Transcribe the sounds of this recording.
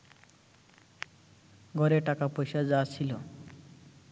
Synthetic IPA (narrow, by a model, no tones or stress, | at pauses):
ɡʱɔɾeʈakapɔjsad͡zasʰilo